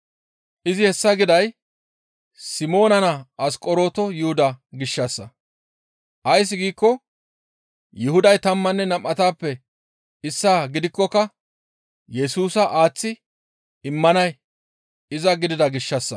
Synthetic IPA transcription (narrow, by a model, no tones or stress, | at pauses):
ʔɪzɪhɛsːɐɡɪd̪ɐj | sɪmo̞ːnɐnɐɐskʼɔɾo̞ːt̪ɔjʊhʊd̪ɐɡɪʃːɐsːɐ | ʔɐjs̬ːɪɡiːkːɔ | jɪhʊd̪ɐjt̪ɐmːɐnːɛnɐmʔɐt̪aːpːɛ | ɪsːaːɡɪd̪ɪkːɔkɐ | jɛsuːsɐʔaːt͡sːɪ | ɪmːɐnɐj | ɪzɐɡɪd̪ɪd̪ɐɡɪʃːɐsːɐ